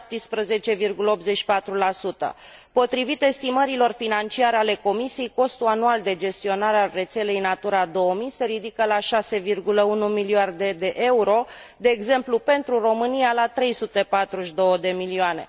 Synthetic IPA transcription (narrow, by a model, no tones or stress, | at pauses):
p̚t̪ispɾəze̞t͡ʃe̞virɡuləo̞p̪zet͡ʃʃi̥pat̪ɾulasut̪ə̰ | po̞t̪ɾivit̪e̞st̪iməɾilo̞rfinant͡ʃiaɾale̞ko̞misijejko̞st̪uanuald̪e̞d͡ʒe̞st̪io̞naɾealre̞t̪se̞le̞jnat̪uɾad̪o̞omijse̞ɾid̪ikəlaʃase̞virɡuləunumiliard̪ed̪e̞ʔeuɾo̞d̪e̞ːɡze̞mplupe̞nt̪ɾuro̞mɨnijalat̪ɾe̞jsut̪e̞pat̪ɾuʃd̪o̞wəd̪e̞milioane̞̰